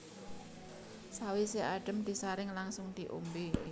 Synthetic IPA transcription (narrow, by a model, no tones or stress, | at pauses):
sawiseʔaɖ̥ə̤md̪̥i̤saɾɪŋlaŋsʊŋd̪̥i̤ʔo̰mbe